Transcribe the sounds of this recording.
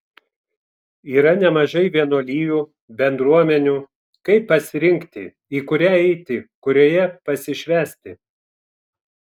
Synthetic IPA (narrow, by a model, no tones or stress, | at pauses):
iːɾɐnʲɛmɐʒɐɪʋʲiɛnoːlʲiːjuː | bʲɛnd̪ɾuɔmʲɛnʲuː | kɐɪpːɐsʲɪɾʲɪŋʲkt̪ʲɪ̰ | iːkʊɾʲæːɛɪt̪ʲɪkʊɾʲoːjɛpɐsʲɪʃʲʋʲæːsʲt̪ʲɪ